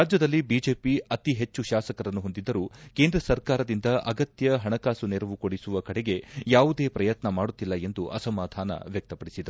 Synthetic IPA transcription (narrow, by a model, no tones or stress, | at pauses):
ɾaːd͡ʒjɐd̪ɐlːibiːd͡ʒe̞ːpiɐt̪iɦe̞t͡ʃːuʃaːsɐkɐɾɐnːuɦo̞nd̪id̪ːɐɾuːke̞ːnd̪ɾɐsɐɾkaːɾɐd̪ind̪ɐʔɐɡɐt̪jɐɦɐɳɐkaːsuneɾɐʋukoɽisuʋɐkɐɽeɡe̞jaːʋud̪e̞ːpɾɐjɐt̪nɐmaːɽut̪ːilːɐe̞nd̪uʔɐ̰sɐmaːd̪ʱaːnɐ̰ʋjɐk̚t̪ɐpɐɽisid̪ɐɾu